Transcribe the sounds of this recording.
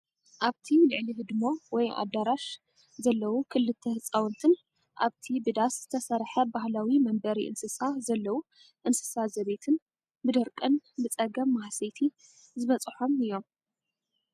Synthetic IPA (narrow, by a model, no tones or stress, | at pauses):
ʔaβt̪ʰilɨʕlihɨd̪ɨmowɔja̰d̪aɾaʃ | zɐlːɐwukʰɨlːɨt̪ʰːɐhɨt͡sʼawɨnt̪ʰɨn | ʔa̰βt̪ʰibɨd̪asz̥ɨt̪ʰɐsɐɾħɐbahlawimɐmbɐɾiʔɨ̰nsɨsazɐlːɐwu | ʔɨnsɨ̥sazɐβe̞t̪ʰɨn | bɨd̪ɐɾkʼɨnbɨt͡sʼɐɡɐmːahsejt̪ʰi | zɨβɐt͡sʼɨħomɨjːo̞m